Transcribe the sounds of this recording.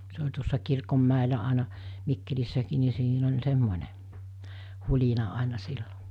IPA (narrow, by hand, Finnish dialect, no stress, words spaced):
se olʲ tuosːɑ kirkomːæˑelæ ɑˑenɑ mikːelisːækiː ni siːn olʲ semːonʲe hulʲinɑ ɑˑenɑ silːo